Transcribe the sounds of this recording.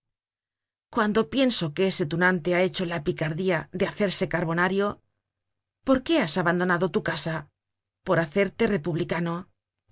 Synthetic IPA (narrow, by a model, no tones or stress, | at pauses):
kwand̪o̞pje̞nso̞keese̞t̪unant̪e̞ae̞t͡ʃo̞lapikaɾðiaðeaθe̞ɾse̞kaɾβo̞naɾjo̞ | po̞ɾke̞asaβand̪o̞naðo̞t̪ukasa | po̞ɾaθe̞ɾt̪e̞re̞puβlikano̞